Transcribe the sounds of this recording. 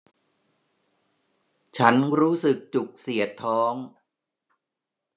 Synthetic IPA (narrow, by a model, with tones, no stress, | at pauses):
t͡ɕʰa˦˥nɾuː˦˥sɯ˨˩k̚t͡ɕu˨˩k̚si˨˩ət̪ʰːɔː˦˥ŋ